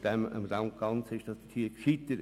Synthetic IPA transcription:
d̥ɛmə̰mrɑŋk̚ɡ̥ɑnt͡sɪʃd̥ɑsd̥ət̪ʰiːkʃit̪əɾ

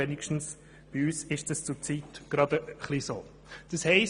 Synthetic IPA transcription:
ɛnɪkʃtn̩s | b̥iyːsɪʃd̥ɑst͡sʊt͡siːtɡ̥ɾɑdəχliso̰ː | d̥ɑshɛɪs

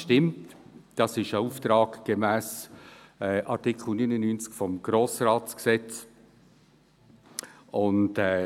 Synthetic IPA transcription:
ʃtɪmt | d̥ɑsɪʃəuːft̪ɾɑːɡɡ̥əmæːs | ɛːʔɑɾtɪkʰl̩ˠnynənynt͡skfɔmɡ̥ɾoːsrɑːtsksɛt͡s | ʊntɛː

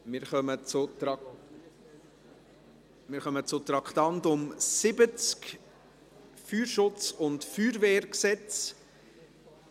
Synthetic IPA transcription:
mɪɾχœmət͡sʊ | mɪːɾχœmət͡sʊt̪ɾɑkʰt̪ɑntʊmsɪbət͡sk | fyːɾʃʊt͡sʊntfyːɾveːɾksɛt͡s

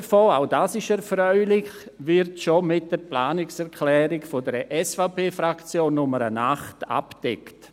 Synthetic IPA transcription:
ɾfoːaʊdaːsɪʃɛɾfɾœʏlɪç | vɪɾtʃomɪt̚d̥əɾplaːnɪksɛɾkʰlɛːɾɪɡfodəɾʔɛsfaʊpʰeːfɾakt͡sjoːnːʊməɾənaχta̰pd̥ɛ̰kt

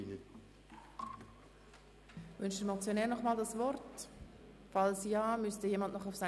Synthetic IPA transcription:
vʏnʃtəɾmɔt͡sjonɛːnɔχmaːldasvɔrt | fɑlsjaːmystəjeːmɑnʔnɔχʊfsa

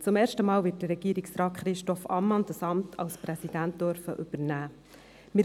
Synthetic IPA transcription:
t͡sʊmeːɾʃtəmɑːlvɪːt̚d̥ərːɛɡ̥iəɾiksɾɑːtχɾɪʃtɔfɑmːɑnd̥ɑsɑmtʰɑ̰lspɾɛsid̥ænt̚d̥øɾfə̰ʔɵb̥əɾnæː | mɪ

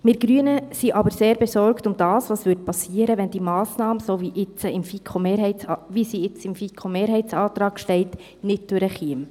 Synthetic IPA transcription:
mɪɾɡ̥ɾyənəsiʔɑbəɾseːɾbɛsɔrktʊmd̥ɑːsʋɑːsʋʏɾt̚pʰɑsiːəɾəʋɛnd̥imɑːsnɑːməsoviʔɪt͡səɪmfikʰomeːɾhɛɪɑvisiɪt͡sɪmfikʰomeːɾɦɛɪt͡sɑːt̪rɑːɡ̥ʃtɛɪt | nɪd̚d̥øɾəχiəm

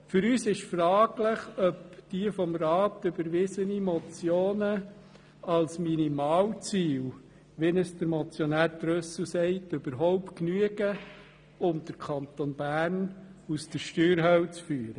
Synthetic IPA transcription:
fʏɾyːsɪʃfɾɑːɡlɪχœpd̥iəfɔmɾɑːtʏbəɾʋɪsənimɔt͡sjoːnə | ɑlsminimɑːwt͡siːl | ʋenəsdəɾmɔt͡sjɔnæːɾd̥ɾøs̩sɛɪtʏb̥əɾɦɔʊpknyəɡə | ʊmd̪̥əɾkʰɑnt̪onb̥æːɾnusd̥əɾʃtøːɾɦœwt͡sfyːɾə

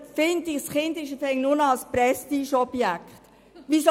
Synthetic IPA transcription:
fɪndɪsχɪndɪʃəfɛŋnʊnɑlsprɛstiʃɔb̥jækχt | ʋis

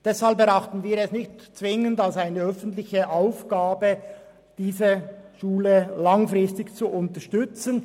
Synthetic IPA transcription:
d̥ɛshalp̚bəʁaχtn̩viːɐɛsnɪçtt͡svɪŋəndalsaɪnəœfən̩tlɪçəʔaʊfɡ̥aːbə | d̥iːzəʃuːləlaŋfʁɪstɪçt͡suʔʊntəʃtʏt͡sən

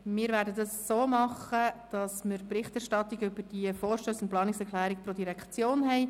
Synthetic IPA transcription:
mɪːɾvæːɾdədɑsːoːmɑχəd̥ɑsməɾpɾɪχtɛɾʃtɑt̪iɡʏbəɾd̥iəfɔːɾʃtøːsʊnt̚plɑːnɪksɛɾkχlæːɾik̚pɾod̪iɾɛkt͡sjoːnɦɛɪ

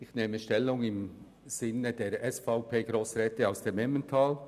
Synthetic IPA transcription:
ɪçneːməʃtɛlːʊŋɪm | z̥ɪnədeːɾʔɛsfaʊpʰeːɡ̥ɾoːsɾɛːtəaʊsd̥eːmɛməntʰaːl

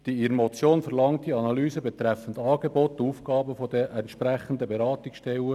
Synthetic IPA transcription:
d̥iiɾmɔt͡sjoːnfɛɾlɑŋt̚d̥iɑnɑlyːsəbet̪ɾæfəndɑːɡebɔt̪ːuːfɡ̥ɑːbəfod̪əʔɛntʃpɾæχənd̪əbeɾɑːt̪iksʃtɛlə

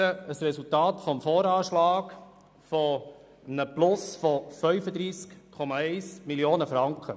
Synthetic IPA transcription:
əəsɾɛsultɑːtfɔmfɔːɾɑːʃlɑːk | fɔ | nəplʊsfɔfœʏfəd̪ɾiːskkʰɔmɑɛɪsmiljoːnəfɾɑŋkχə

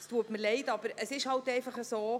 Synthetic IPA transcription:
st̪uətməɾlɛɪt̪ɑbəɾəsɪʃhɑltɛɪfɑχəsoː

